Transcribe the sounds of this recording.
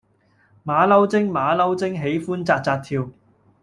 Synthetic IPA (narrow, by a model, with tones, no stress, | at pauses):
maː˨˧lɐ˥wt͡sɪ˥ŋmaː˨˧lɐ˥wt͡sɪ˥ŋɦe˨˥jfuː˥nt͡saː˧t̚t͡saː˧t̪̚ʰiː˧w